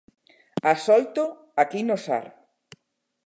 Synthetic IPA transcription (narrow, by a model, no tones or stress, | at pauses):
asɔlt̪o | akinosa̰ɾ